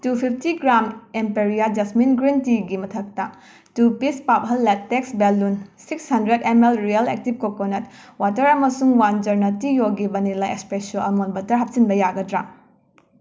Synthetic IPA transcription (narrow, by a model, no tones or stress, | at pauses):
tupʰipʰtiɡɾamempeɾijad͡ʒɐsminɡɾintiɡimɐtʰɐk̚tɐ | tupispap̚ɦɐlːetːeksbelːunsikshɐndɾedemelɾijɐlḛk̚tib̚kokonɐtwatɐɾɐmɐsuŋwand͡ʒɐɾnɐtijoɡibɐnilaḛspesɐlɐmonbɐtɐɾɦɐp̚sinbɐjaɡɐdɾa